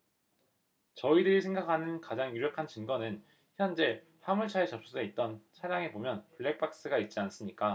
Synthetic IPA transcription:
t͡ɕʌidɯɾisʰe̞ŋɡakʰanɯnkad͡ʑaŋjuɾjʌkʰant͡ɕɯnɡʌnɯn | çjʌnd͡ʑe̞ | pʰamuɭt͡ɕʰaet͡ɕʌp̚s͈ueit̚t͈ʌnt͡ɕʰaɾjaŋe̞bomjʌnpuɭːe̞k̚p͈ak̚s͈ɯɡait̚t͡ɕ͈ians͈ɯmɲik͈a

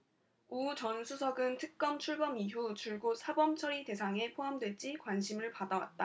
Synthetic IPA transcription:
ut͡ɕʌnsʰusʰʌɡɯntʰɯk̚k͈ʌmt͡ɕʰuɭɡʌmiɦut͡ɕʰuɭɡosʰabʌmt͡ɕʰʌɾite̞sʰaŋe̞pʰoɦamdwe̞d͡ʑ͈ikwanɕʰimɯɭpadawa̰t̚t͈a

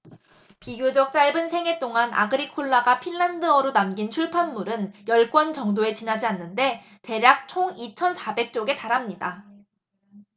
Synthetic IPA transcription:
piɡjod͡ʑʌk̚t͡ɕ͈aɭbɯnsʰe̞ŋe̞t͈oŋanʔa̰ɡɯɾikʰoɭːaɡapʰinːandɯʌɾonamɡint͡ɕʰuɭpʰanmuɾɯnjʌɭk͈wʌnt͡ɕʌŋdoe̞t͡ɕinɦad͡ʑianːɯnde̞ | te̞ɾjak̚t͡ɕʰoŋit͡ɕʰʌnsʰabe̞k̚t͡ɕ͈oɡe̞taɾamɲida

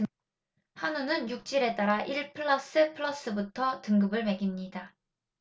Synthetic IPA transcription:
hanunɯnjuk̚t͡ɕ͈iɾe̞t͈aɾaʔiɭpʰɯɭːʌs͈ɯpʰɯɭʌs͈ɯbutʰʌtɯŋɡɯbɯɭme̞ɡimɲida

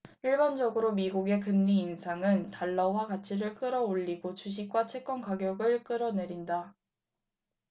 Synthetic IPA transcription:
iɭbʌnd͡ʑʌɡɯɾomiɡuɡe̞kɯmɲiːnsʰaŋɯntaɭːʌwakat͡ɕʰiɾɯɭk͈ɯɾʌoʎːiɡot͡ɕuɕ̬ʰik̚k͈wat͡ɕʰe̞k͈ʌnkaɡjʌɡɯɭk͈ɯɾʌne̞ɾinda

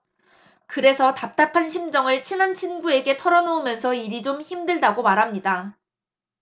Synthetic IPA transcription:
kɯɾe̞sʰʌtap̚t͈apʰanɕʰimd͡ʑʌŋɯɭt͡ɕʰinɦant͡ɕʰinɡue̞ɡe̞tʰʌɾʌnoumjʌnsʰʌiɾid͡ʑomçimdɯɭdaɡomaɾɦamɲida

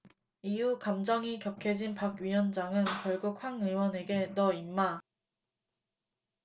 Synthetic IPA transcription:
iukamd͡ʑʌŋikjʌkʰe̞d͡ʑinpaɡɥiwʌnd͡ʑaŋɯnkjʌɭɡuk̚ɸwaŋɯwʌne̞ɡe̞nʌimːa

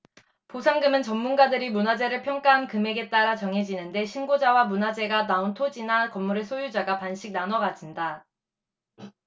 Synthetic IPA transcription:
posʰaŋɡɯmɯnt͡ɕʌmːunɡadɯɾimunad͡ʑe̞ɾɯɭpʰjʌŋk͈aɦankɯme̞ɡe̞t͈aɾat͡ɕʌŋɦe̞d͡ʑinɯnde̞ɕʰinɡod͡ʑawamunad͡ʑe̞ɡanaontʰod͡ʑinakʌmːuɾesʰojud͡ʑaɡapanɕʰik̚nanʌɡad͡ʑinda

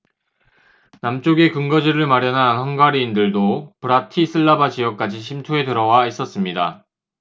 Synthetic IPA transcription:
namt͡ɕ͈oɡe̞kɯŋɡʌd͡ʑiɾɯɭmaɾjʌnanhʌnɡwaɾiːndɯɭdopɯɾatʰisʰɯɭːabad͡ʑiʌk̚k͈ad͡ʑiɕʰimtʰue̞tɯɾʌwais͈ʌs͈ɯmɲida

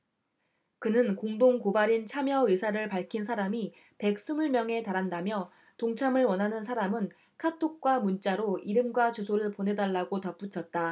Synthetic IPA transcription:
kɯnɯnkoŋdoŋkobaɾint͡ɕʰamjʌesʰaɾɯɭpaɭkʰins̬ʰaɾami | pe̞k̚s͈umuɭmjʌŋe̞taɾandamjʌ | toŋt͡ɕʰamɯɭwʌnɦanɯnsʰaɾamɯn | kʰatʰok̚k͈wamunt͡ɕ͈aɾoiɾɯmɡwat͡ɕusʰoɾɯɭpone̞daɭːaɡotʌp͈ut͡ɕʰʌt̚t͈a

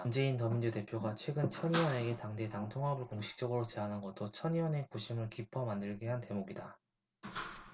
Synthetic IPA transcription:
und͡ʑe̞intʌmind͡ʑute̞pʰjoɡat͡ɕʰwe̞ɡɯnt͡ɕʰʌɲiwʌne̞ɡe̞taŋde̞taŋtʰoŋɦabɯɭkoŋɕʰi̥k̚t͡ɕ͈ʌɡɯɾot͡ɕe̞ɦanɦɯnɡʌt͈̚ot͡ɕʰʌɲiwʌne̞koɕʰimɯɭkipʰʌmandɯɭɡeɦante̞moɡida

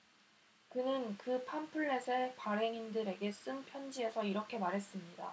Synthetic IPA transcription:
kɯnɯnkɯpʰanpʰuɭːe̞sʰe̞paɾe̞ŋindɯɾe̞ɡe̞s͈ɯnpʰjʌnd͡ʑie̞sʰʌiɾʌkʰe̞maɾɦe̞s͈ɯmɲida̰

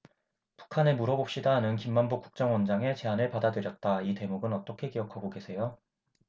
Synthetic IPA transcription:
pu̥kʰanemuɾʌbop̚ɕ͈idaːnɯnkimːanbuk͈u̥k̚t͡ɕ͈ʌŋwʌnd͡ʑaŋe̞t͡ɕe̞anɯɭpadadɯɾjʌt̚t͈aite̞muɡɯnʌt͈ʌkʰe̞kijʌkʰaɡoɡe̞sʰe̞jo

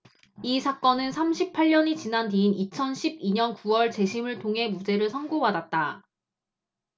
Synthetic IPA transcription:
isʰak͈ʌnɯnsʰamɕʰipʰaɭɲʌɲit͡ɕinantiːnit͡ɕʰʌnɕʰib̚iɲʌnkuwʌɭt͡ɕe̞ɕʰimɯɭtʰoŋɦe̞mud͡ʑe̞ɾɯɭsʰʌŋɡobadat̚t͈a

